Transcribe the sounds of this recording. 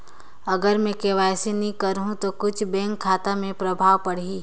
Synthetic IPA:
ɐɡəɾmẽkeːʋaːjsinĩkəɾɦũt̪okʊt͡ʃʰbɛ̃ːŋkʰːaːt̪amẽpɾɐbʱaːwpɐɽ̤iː

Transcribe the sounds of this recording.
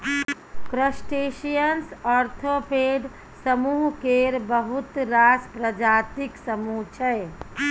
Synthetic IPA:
kɾəsʈeʃijənsɔɾt̪ʰopeɖ | səmuɦkeɾbəɦut̪ɾaspɾəd͡ʒaːt̪iksəmuɦt͡ʃʰɛ

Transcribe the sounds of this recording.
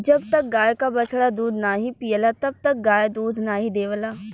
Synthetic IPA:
d͡ʒɐbt̪ɐk̚ɡaːjkabɐt͡ʃʰɽad̪uːd̪ʱnaːɦipiːəlat̪ɐb̚t̪ɐk̚ɡaːjd̪uːd̪ʱnaːɦid̪eːʋəlaː

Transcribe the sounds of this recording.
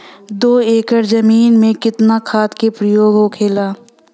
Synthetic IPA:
d̪oːeːkəɾzəmiːnmẽkɪt̪nakʰaːt̪kepɾəjoːɡɦokʰeːlaː

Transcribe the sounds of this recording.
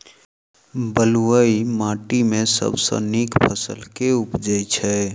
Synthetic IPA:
bəluəimaːʈimẽsə̰bsə̰̃nikpʰəsə̰lkeʊpd͡ʒəjt͡ʃʰɛ

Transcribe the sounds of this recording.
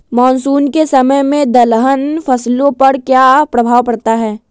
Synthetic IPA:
mɔːnsuːnkesɐməjmẽd̪ɐlɦənfɐslõpɐɾkjaːpɾɐbʱaːwpɐɽt̪aɦɛː

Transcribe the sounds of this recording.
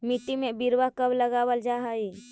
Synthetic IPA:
miʈːimẽbiɾwakəbləɡaːwəld͡ʒaɦai

